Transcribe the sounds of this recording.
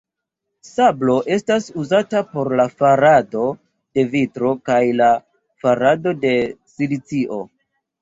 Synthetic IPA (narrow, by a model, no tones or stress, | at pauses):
sablo̞ʔe̞stasuzatapo̞ɾlafaɾado̞ | d̥e̞vitɾo̞kajla | faɾado̞de̞silit͡siʔo̞